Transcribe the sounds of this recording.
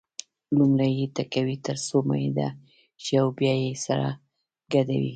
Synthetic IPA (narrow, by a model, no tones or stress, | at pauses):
lumɾajet̪akawit̪əɾsoma̰jd̪a̰ | t͡ʃeawbjɑjesaɾa̰ | ɡad̪a̰wḭ